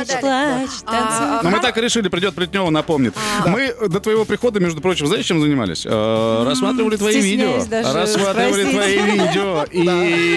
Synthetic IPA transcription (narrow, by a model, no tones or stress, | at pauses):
nomɨt̪akɨɾʲɪʂɨlʲɪpɾʲɪdʲo̞t̪̚plʲɪtʲnʲo̞vənɐpo̞mnʲɪt̪mɨd̪ət̪vəjɪvo̞pɾʲɪxo̞d̪əmʲe̞ʐd̪ʊpɾo̞t͡ɕɪmznaɪʂt͡ɕːemzənʲɪma̰lʲɪ̰sʲə̰ɾɐsmat̪ɾʲɪvəlʲɪt̪vɐivʲidʲɪooɾɐssmat̪ɾʲɪvəlʲɪt̪vɐivʲidʲɪoi